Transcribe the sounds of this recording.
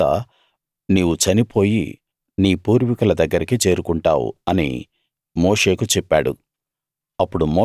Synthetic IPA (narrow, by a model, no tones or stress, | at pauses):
ɐ̰ | niːwut͡ʃɐnipo̞ːjḭ | niːpuːɾʋikulɐd̪ɐɡːɐɾikit͡ʃe̞ːɾukuɳʈa̰ːwṵɐnḭ | moːʂe̞ːkut͡ʃɛpːaːɽṵ | ɐpːuɽumoː